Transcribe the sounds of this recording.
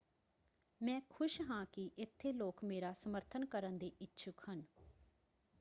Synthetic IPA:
mɛ̃ːkʰʊʃɦãːkɪʔɪt̪ʰːeːloːkmeːɾaːsəməɾt̪ʰənkəɾənd̪eːʔɪtːʃʰʊkhən

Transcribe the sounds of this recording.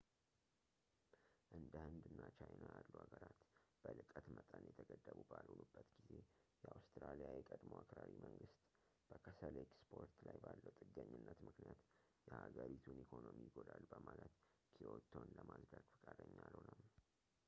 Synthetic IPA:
ʔɨnd̪əhɨnd̪ɨnːat͡ʃʰajnajalːuhaɡəɾat̪b̥əlɨkʼət̪mət̪ʼənjɛt̪ʰəɡəd̪ːəβubalhunubːət̪ɡize̞jɛawst̪ɾalijajɛkʼəd̪moakɾaɾimʔəŋɡɨst̪ | b̥əkʰəsəlekspʰo̞ɾt̪lajbalːəwt̪ʼɨɡːəɲːɨnːət̪mɨknijat̪ | jɛhaɡəɾit̪ʰunikʰo̞nomijɪɡo̞d̪alːbəmalət̪kʰiot̪ʰo̞nləmazɾaɡfɨ̥kʼad̪əɲːalhunəw

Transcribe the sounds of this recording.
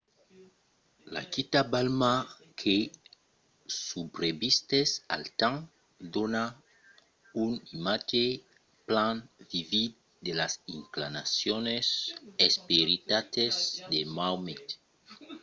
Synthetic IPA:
la̰kit̪abalma | kʰe | subɾebist̪esa̰lt̪ãŋ | d̪ona | unimat͡ʃe | planvivid̪̚ | d̪elasiŋklanasjonesespeɾit̪at̪ezd̪emawmet̪

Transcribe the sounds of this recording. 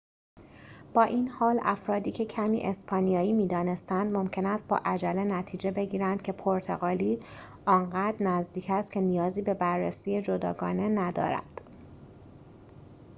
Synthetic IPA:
b̥ɒːʔiːnhɒːlæfɾɒːd̪iːcʰe̞cʰæmḭːʔe̞spʰɒːnijɒːjiːmiːd̪ɒːne̞st̪ænd̪mo̞mcʰe̞næst̪̚bɒ̰ːʔæd͡ʒæle̞næt̪ʰiːd͡ʒe̞be̞ɟiːɾænd̪̥̚cʰe̞pʰoɾt̪ʰe̞̰ɣɒːliː | ɒːŋɢæːd̪ɾnæzd̪iːcʰæst̪kcʰe̞nijɒːziːbe̞bærːesiːje̞d͡ʒo̞d̪ɒ̰ːɡɒːne̞næd̪ɒ̰ːɾæ̰d̪̥

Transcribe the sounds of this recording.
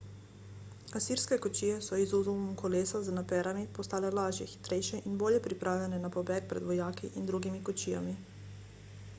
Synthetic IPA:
asiːɾskɛkɔt͡ʃiːjɛsɔizuzumumkʰɔleːsaznapɛːɾamipɔst̪aːlɛlaːʒjɛxi̥t̪ɾɛjʃɛʔinboːljɛpɾipɾʔaːwlʲjɛnɛnapɔbɛːk̚pɾɛ̰d̪ʋɔjaːkḭʔind̪ɾuːɡimikɔt͡ʃiːja̰mi

